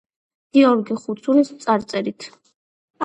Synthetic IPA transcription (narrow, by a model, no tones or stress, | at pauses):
ɡ̥iɔɾɡiχut̪sʰunismt̪sʼaɾt̪sʼɛɾit̪ʰ